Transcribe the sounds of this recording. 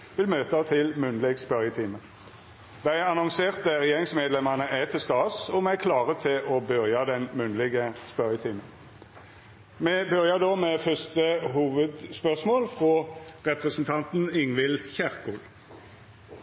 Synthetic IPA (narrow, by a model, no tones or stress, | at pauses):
ʋɪlmøːt̪ɑt̪ʰɪlmʉnlɪɡspœʁjət̪ʰiːmə | d̪æɪɑnɔŋseːʁt̪̚d̪æʁɛjeːʁɪŋsmeːd̪lɛməʁnəʔæt̪ʰɪlst̪ɑːsɔmɛkʰlɑːʁət̪ʰɪlʔɔbœʁjɑd̪ɛnmʉnd̪lɪɡəspœʁjət̪ʰiːmən | mɛbœʁjəd̪oːmɛːfœst̪əɦuːʋəd̪spœʁsmoːlfʁoːʁɛpʁəsn̩t̪ʰɑnt̪n̩ɪŋʋɪlçæʁkul